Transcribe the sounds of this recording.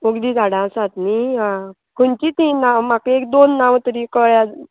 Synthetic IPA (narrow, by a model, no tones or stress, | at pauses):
oɡd̪iːd͡zaɽãsãt̪niɦa | kuɳt͡ɕiːt̪ĩnamakeekd̪onːaʋt̪əɾikəɭja